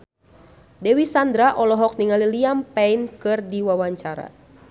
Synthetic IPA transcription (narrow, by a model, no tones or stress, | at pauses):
dɛwisand̪ɾaʔɔlɔɦɔk̚niŋaliliampɛinkɨrdiwawaɲt͡ʃaɾa̰